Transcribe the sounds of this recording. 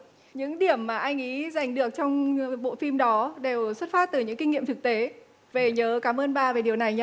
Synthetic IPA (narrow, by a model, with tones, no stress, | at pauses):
ɲɨ̰˧˥ŋɗi˧˩əmːaː˨˩ʔa˧jŋ̟ʔi˨˦za˨˩jŋ̟ɗɨ˨˩ək̚t͡ɕɔ˧wŋ͡mɓo̰˧˨fi˧mɗɔ˨˦ɗe˨˩wswə˦˥t̚faː˦˥t̚t̪ɨ˨˩ɲɨ̰˧˥ŋki˧ŋːḭ˧˨əmt̪ʰɨ˨˩k̚t̪e˨˦ | ve˨˩ɲəː˨˦kaː˨˦mʔəː˧nɓaː˧˨˩ve˨˩ɗi˨˩əwna˨˩jɲa˧˦